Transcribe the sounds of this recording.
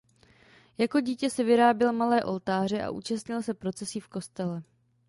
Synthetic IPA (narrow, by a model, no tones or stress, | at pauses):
jako̞ɟiːcɛsɛvɪɾaːbjɛlmalɛːʔo̞lt̪aːr̝ɛʔa̰ʔṵːt͡ʃast̪ɲɪlsɛpɾo̞t͡sɛsiːfko̞st̪ɛlɛ